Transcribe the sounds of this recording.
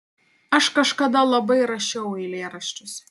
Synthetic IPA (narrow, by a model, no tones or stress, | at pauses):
ɐʃkɐʃkɐd̪ɐlˠɐbɐɪɾɐʃʲɛʊɛɪlʲeːɾɐʃʲt͡ʃʲʊs